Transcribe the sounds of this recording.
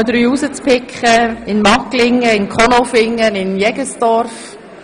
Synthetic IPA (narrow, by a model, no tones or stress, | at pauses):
d̪ɾyːusət͡spɪkχəɪnmɑklɪŋːəɪnkʰɔnofɪŋːənɪnjɛɡəsd̥ɔɾf